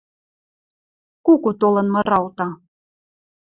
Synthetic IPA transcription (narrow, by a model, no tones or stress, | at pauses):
kukut̪olɤ̆nmɤ̆ɾɑlt̪ɑ